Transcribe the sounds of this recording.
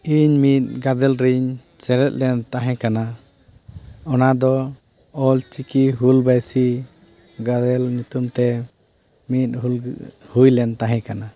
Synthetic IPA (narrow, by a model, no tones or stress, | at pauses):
iɲmit̪̚ɡad̪ɛlɾiɲ | sɛɾɛt̪̚ˀlɛnt̪aɦɛ̃kana | ɔnad̪ɔ | ɔlt͡ʃikiɦulbajsi | ɡad̪ɛlɲut̪umt̪ɛ | mit̪̚ɦulhujlɛnt̪aɦɛ̃kana